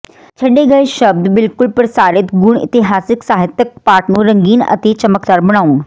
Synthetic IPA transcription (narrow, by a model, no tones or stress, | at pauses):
t͡ɕʰɐɗeɡɐeʃɐb̚d̪bɪlkʊlpɐɾsaːɾɪt̪ɡʊɽ̃ɪ̰t̪ɪɦaːsɪksaːɦɪt̪jək̚paːʈnũɾɐ̃ŋɡiːnɐ̰t̪et͡ɕɐməkt̪aːɾbɐɽ̃aːun̆